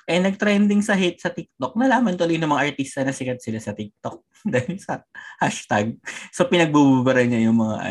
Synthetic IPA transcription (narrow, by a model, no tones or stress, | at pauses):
ʔɛnɐɡ̚t̪ɾɛnd̪ɪŋsɐɦɪt̪̚sɐt̪ɪk̚t̪ok̚nɐlaːmɐnt̪olɪjnʊŋmɐŋaʔɐɹt̪ist̪ɐnɐsɪkɐt̪̚sɪlasɐt̪ɪk̚t̪ok̚ | d̪aːjɪnsɐhaʃt̪ɐɡ̚sopɪnɐɡ̚bububɐɾɐɲajʊŋmɐŋa̰ʔ